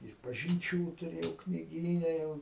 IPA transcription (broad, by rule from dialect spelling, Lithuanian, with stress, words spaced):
ɪr pɐʒʲɪnʲˈt͡ʃʲuː tʊˈrʲeːjɛʊ knʲɪˈɡʲiːnʲɛ ˈjɛʊ